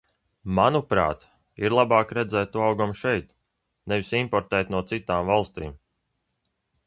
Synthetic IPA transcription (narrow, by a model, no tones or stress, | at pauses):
manupɾa̰ːt̪ | iɾlˠabaːkɾɛd̪zɛːt̪t̪uawɡamʃɛjt̪ | nɛvisimpɔɾt̪ɛːt̪nuɔt̪sit̪aːmvalˠst̪ḭːm